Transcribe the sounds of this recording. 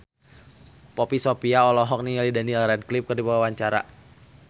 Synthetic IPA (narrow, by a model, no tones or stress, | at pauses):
pɔpisopiaɔlɔɦɔk̚nialidanilrɛd̚klɪp̚kɨrdibaawaɲt͡ʃaɾa̰